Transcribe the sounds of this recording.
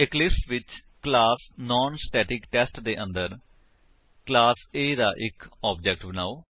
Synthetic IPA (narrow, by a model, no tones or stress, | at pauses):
ɪklɪpsʋɪt͡ʃ | klaːsnɔ̃ːnsʈɛːʈɪkʈɛsʈd̪eːʔə̃nd̪əɾ | klaːseːd̪aːʔɪkɔːbd͡ʒɛk̚ʈbənaːoː